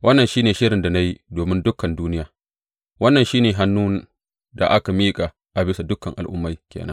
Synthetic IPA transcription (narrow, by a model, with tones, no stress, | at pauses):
wʔɐ˦nːɐ˨nʃiː˦neː˨ʃɪ˦ɽɪ˨nda˨na˦ji˦doː˨mɪ˦ndʊ˦kːɐ˨nduː˦nɪ˦jaː˨ | wɐ˦nːɐ˨nʃiː˦neː˨ɦa˦nːuː˦ | da̰˨ʔa˦ka˨miː˦kʼa˨ | ʔa˨bɪ˦sa˨dʊ˦kːɐ˨ŋʔa˨lʔʊ̰˦mːa˨jkʲḛː˨nɐ̰˦ŋ